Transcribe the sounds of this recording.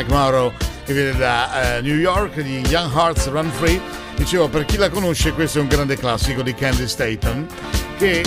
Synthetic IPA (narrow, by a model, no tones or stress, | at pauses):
kmawɾokevːjɛned̪anjujɔrkd̪ijaŋɦart̪sranfɾi | d̪it͡ʃeːvoperk̟ilakonoʃːekwest̪oɛuŋɡɾand̪eklasːikod̪ikɛnd̪ist̪ɛjt̪on | ke